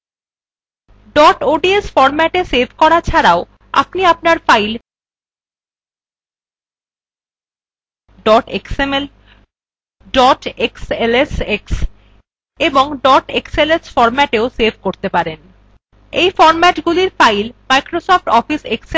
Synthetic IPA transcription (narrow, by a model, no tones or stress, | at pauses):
ɖɔʈoɖiesfɔɾmɛʈesebʱkɔɾat͡ɕʰaɾao | a̰pniapnaɾfajl | ɖɔʈeksemel | ɖɔʈekseleseks | eboŋɖɔʈekselesfɔɾmɛʈeosebʱkoɾt̪epaɾen | ejfɔɾmɛʈɡuliɾfajlmajkɾosɔfʈɔfisekse